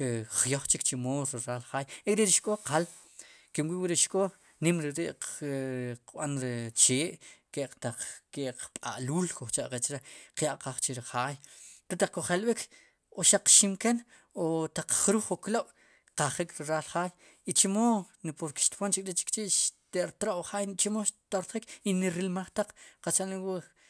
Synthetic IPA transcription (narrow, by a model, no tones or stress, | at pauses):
χjoχt͡ʃikt͡ʃimoːɾiɾalχaːjekʼɾeɾiʃkʼoqal | kimwiʔwiɾeʃkʼo | nimɾiɾeʔ | qɓanɾet͡ʃeːʔkeʔt̪aq͡χkeʔqpʼa̰ʔluːlkoχt͡ʃaʔqet͡ʃɾeqjaʔqaχt͡ʃiɾiχaːjɾet̪aq͡χkoχalɓik | oʃaq͡χʃimken | ot̪aq͡χχɾuːχokloɓ̥ | qaχikʰɾiɾalχaːj | it͡ʃimonipoɾke̥ʃt̪pont͡ʃikʼɾet͡ʃi̥kt͡ʃeʔʃt̪eʔɾt̪ɾoʔχaːjnt͡ʃimoʃt̪oɾχikiniɾilmaχt̪aq͡χqat͡saliwi